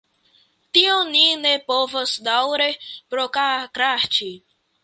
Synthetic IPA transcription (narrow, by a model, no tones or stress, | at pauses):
t̪ioninepovosd̪awɾepɾokakɾat͡ʃi